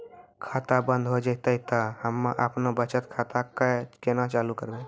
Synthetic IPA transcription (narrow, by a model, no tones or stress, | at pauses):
kʰat̪abə̃nd̪ʱɦod͡ʒət̪əit̪əhəmːaʔəpnobət͡ʃət̪kʰat̪akakenat͡ʃalukəɾbe